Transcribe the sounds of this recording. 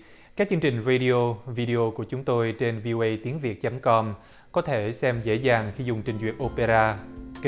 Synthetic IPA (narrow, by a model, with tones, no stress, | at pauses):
kaː˦˥k̚t͡ɕɨ˧ŋt͡ɕï˨˩ŋ̟ze˧ɗi˧o˧vi˧ɗi˧o˧ku˧˩ət͡ɕʊ˨˦ŋ͡mt̪o˧jt͡ɕe˧nvi˧ʔo˧ʔə˧jt̪i˨˦əŋvi˨˩ət̚t͡ɕə˨˦mkɔ˧m | kɔ˨˦t̪ʰe˧˩sɛ˧mzḛ˧˥zaː˨˩ŋxi˧zʊ˨˩ŋ͡mt͡ɕï˨˩ŋ̟zḭ˨˩ət̚ʔo˧pe˧zaː˧k